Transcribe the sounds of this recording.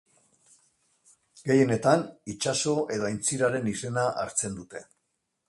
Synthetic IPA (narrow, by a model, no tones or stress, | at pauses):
ɡe̞je̞ne̞t̪anit͡ʃaso̞ʔe̞ðoajnt͡siɾaɾe̞nise̞naʔa̰ɾt͡se̞nd̪ut̪e̞